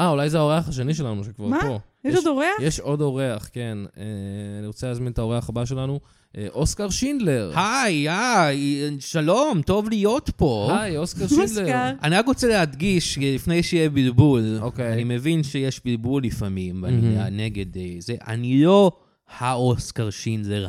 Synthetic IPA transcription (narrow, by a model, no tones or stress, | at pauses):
ʔaulajzeaoʁeaχaʃ̬e̞niʃe̞lanuʃekva̰ʁpojeodoʁeajeʃo̞do̞ʁeaχke̞neaniʁot͡seleːzminetao̞ʁeaχabaʃ̬e̞lanu | ʔeʔo̞skaʁʃind̪le̞ʁhajajʃalomt̪o̞vlijo̞t̪po̞hajoskaʁʃid̪leʁaʁaniʁakʁot͡selehad̪ɡiʃlifnejʃijebilbulokeanimevinʃejeʃbilbulːifamimva̰nianeɡedezeʔa̰nilo̞ | haoskaʁʃind̪leʁ